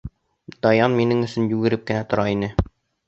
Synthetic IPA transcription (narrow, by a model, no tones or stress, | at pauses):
d̪̥ɒjɑnminɘŋɵ̆sɵnjʉɡɘ̆ɾɘp̚kɘ̆næt̪ŏɾɑinɘ